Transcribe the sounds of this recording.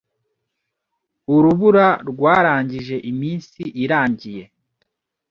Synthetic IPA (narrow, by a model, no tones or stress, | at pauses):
uɾuβuɾaɾɡwaːɾaːɲɟiʒe̞ʔimiːnsiʔiɾaːɲɟije̞